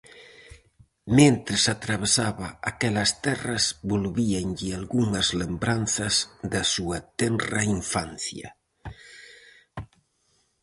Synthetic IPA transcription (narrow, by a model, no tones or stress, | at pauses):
ment̪ɾɪsat̪ɾaβ̞esaβɐakɛlɐst̪ɛrɐzbolβiaŋʎialɣuŋɐzlembɾanθɐzd̪asuat̪ɛnraiɱfan̟θjɐ̰